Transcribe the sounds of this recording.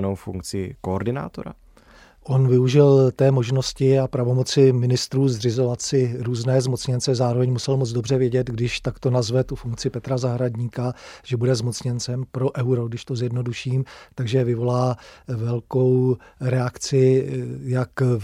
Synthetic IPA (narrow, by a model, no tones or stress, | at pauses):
nowfṵŋk̚t͡sɪkooɾdɪna̰ːt̪oɾa̰ | ʔo̞nvɪuʒɪlt̪ɛːmo̞ʒno̞scɪapɾavo̞mo̞t͡sɪmɪnɪst̪ɾuːzr̝ɪzo̞vat̪sɪɾuːznɛːzmo̞t͡sɲɛnt͡sɛzaːɾovɛɲmusɛlmod͡zdo̞br̝ɛvjɛɟɛd̪ɡdɪʃt̪akt̪o̞nazvɛt̪ufuŋkt͡sɪpɛt̪ɾazaɦɾaɟɲiːkaʒ̥ɛbudɛzmo̞t͡sɲɛnt͡sɛmpɾo̞ʔɛwɾo̞ɡdɪʃt̪ozjɛdno̞duʃiːmt̪aɡʒɛvɪvo̞laːvɛlko̞wɾɛakt͡sɪjak